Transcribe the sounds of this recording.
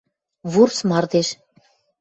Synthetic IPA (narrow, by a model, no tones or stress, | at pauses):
βursmɑrd̪eʃ